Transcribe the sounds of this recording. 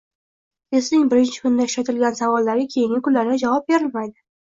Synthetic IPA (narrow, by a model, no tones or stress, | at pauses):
esnɪŋbɪɾɪnt͡ʃʰɪ̥kʰʊnɪd̪aɪʊʃɾat̪ɪlɡʲansavɒlːaɾɡʲɪkʲʰe̞jɪŋʲɪkʰʊllaɾɡʲad͡ʒavɒp̚be̞ɾɪlmajd̪ɪ